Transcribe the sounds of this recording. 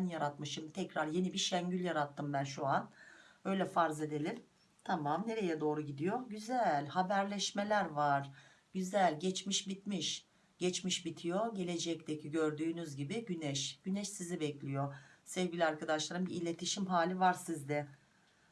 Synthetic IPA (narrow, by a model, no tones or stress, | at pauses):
njaɾat̪mɯʃɯmt̪ʰɛcɾaɾje̞nibiʃæɲɟylʲjaɾat̪ʰːɯmbænʃuanø̞jlʲɛfaɾze̞d̪e̞lʲim | t̪ʰamamne̞ɾe̞jɛd̪o̞ːɾuɟid̪ijo̞ɟyzælʲhabæɾlʲɛʃme̞lʲæɾvaɾ̥ | ɟyzælʲɟɛt͡ʃmiʃbit̪miʃ | ɟ̥ɛt͡ʃmiʃbit̪ʰijoɟe̞lʲe̞d͡ʒɛc̚t̪ʰecʰiɟø̞ɾd̪yːnyzɟibiɟynɛʃɟ̥ynɛʃsizibɛclʲijo̞sɛvɡɟilʲiaɾkad̪aʃlˠaɾɯmbiilʲe̞t̪ʰiʃimɦaːlʲivaɾsizd̪ɛ